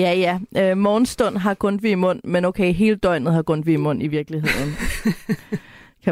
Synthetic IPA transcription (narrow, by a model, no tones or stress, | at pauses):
jæjæømɒːn̩sd̥ɔ̽n̰ɦɑ̈kʰɔ̽nd̥ʋiimɔ̽n̰menoʊkʰeɪɦe̝ːləd̥ɒ̽ɪ̰nð̞̩ˠhɑ̈ɡ̥ɔ̽n̰d̥ʋiimɔ̽n̰iʋiɐɡ̥liɦe̝ð̰ˠn̩ | kʰæ